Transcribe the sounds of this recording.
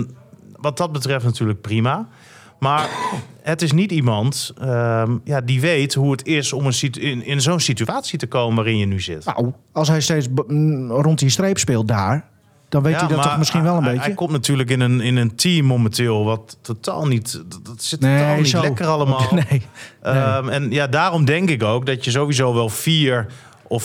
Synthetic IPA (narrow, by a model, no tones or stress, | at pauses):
ʋɔt̚dɔt̚bətrɛftnatyːələk̚prima | maɹhətɪs̬nitimɑntəjadiʋejthuətʰɪsomənsiɪnɪnzownsityaːtsitəkoːmənʋaːrɪnjənyzɪtna̰wɔlˠs̬ɦɛjsteːt͡s | rontistreːpspɪːlˠt̚daːɹ | d̥ɔnʋejjədɔtːɔmɪskinʋɛlˠənbejjəkɔmtnatʰyːlək̬ɪnənɪnəntʰiːmːoməntɪːlˠʋɔtːotʰa̰ːlˠnittsɪnenilɛkərɑlˠəmanejəɛnjadaːrɔmdɛŋkɪkowk̚dɔtjəzoːʋizoːʋɛlˠfiːəɹ | ʔɔf